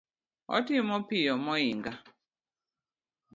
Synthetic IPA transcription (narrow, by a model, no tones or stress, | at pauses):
ɔ̰timɔpijɔmɔiŋɡa